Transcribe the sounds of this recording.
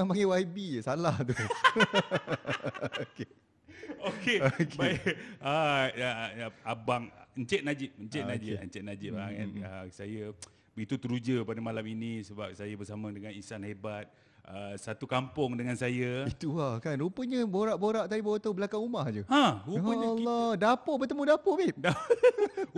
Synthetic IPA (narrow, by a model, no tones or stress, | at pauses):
apaŋɡewaibisalaht̪u | oke | okeokbea | abaŋəɲt͡ʃɛʔ̪̚nad͡ʒɪp̚əɲt͡ʃɛʔnad͡ʒiɲt͡ʃɛt̪̚nad͡ʒɪp̚akanəsajə | bəit̪ut̪əɾud͡ʒəpadamalaminĩsəbap̚sajabərsamə̃dəŋanisanhebat̪̚ | əsat̪ukampʊŋdəŋansajəit̪uahkanɾupəɲə̃boɾaʔboɾaʔt̪adibawət̪aubəlakaŋumahd͡ʒuãɾuəlɔdapoʔbət̪əmũdapoʔbɪda